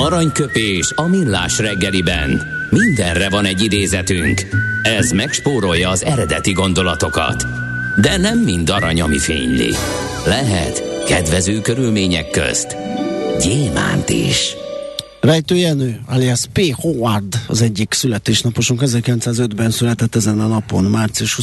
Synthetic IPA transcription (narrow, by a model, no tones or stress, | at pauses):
ɒɾɒɲkøpeːʃɒmilːa̰ːʃrɛɡːɛlibɛ̰n | mind̪ɛnrɛvɒnɛɟːid̪eːzɛt̪yŋkɛzmɛkʃpoːɾo̞jːɒːzɛɾɛd̪ɛt̪iɡo̞nd̪o̞lɒt̪o̞kɒ̰t̪ | d̪ɛnɛmːind̪ɒɾɒɲɒmifḛːɲlḭ | lɛɦɛ̰t̪kɛd̪vɛzøːkøɾylmeːɲɛkːø̰st̪ɟeːma̰ːnt̪ḭʃ | vɛjt̪øːjɛnøːaliɛspeːhowɒrd̪ɒ̰zɛɟːiksylɛt̪eːʃnɒpoʃuŋkɛzɛrkilɛnt̪saːzød̪bɛnsylɛt̪ɛt̪ːɛzɛnɒnɒpo̞nmaːrt̪siuʃhu